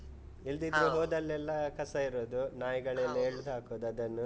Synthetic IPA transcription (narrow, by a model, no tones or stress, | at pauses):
ild̪id̪ɾuɦoːd̪ɐlːɛlːɐkɐsɐiɾoːd̪unaːjɐɡɐɭlːɐeɭːud̪ɦaːkoːd̪ɐd̪ɐnːu